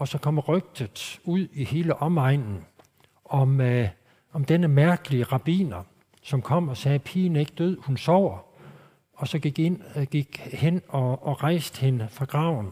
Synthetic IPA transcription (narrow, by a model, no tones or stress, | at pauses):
ʔɒ̽sɒ̽kʰɒ̽m̰ʁœɡ̥̚d̥ð̩ˠuð̰ˠihe̝ːləʔɒ̽mɑ̈ɪ̰nn̩ | ɒ̽m | ɒ̽md̥enəmæɐɡ̥əliəʁɑ̈b̥ḭːnɐ | sɒ̽mkʰɒ̽m̰ɒ̽sɛːpʰiːne̝ɡ̥əd̥øð̰ˠhunsɒʊ̰ɐ | ɒ̽sɒ̽ɡ̥iɡ̥enɡ̥iɡ̥henɒ̽ːʁɑ̈ɪsd̥əhenəfʁɑ̈ɡ̥ʁɑ̈ʊ̰n̩